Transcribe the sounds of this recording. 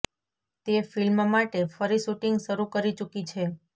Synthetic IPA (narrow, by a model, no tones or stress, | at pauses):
t̪efilmmaʈefəɾiʃuʈiŋɡʃəɾukəɾit͡ʃukit͡ʃʰe